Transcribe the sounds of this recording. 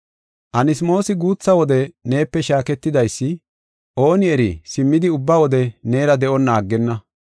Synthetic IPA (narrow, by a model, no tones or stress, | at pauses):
ʔɐnɪsmo̞ːsɪɡuːt͡sːɐwɔd̪ɛne̞ːpːɛʃaːkɛt̪ːɪd̪ɐjsːɪ | ʔo̞ːnɪɛɾisɪmːɪd̪ɪʊbːɐwɔd̪ɛneːɾɐd̪ɛʔɔnːaːɡːɛnːɐ